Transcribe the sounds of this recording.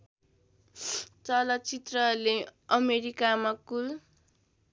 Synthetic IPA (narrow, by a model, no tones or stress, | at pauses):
t͡sʌlʌt͡sit̪rʌleʌmeɾikamakul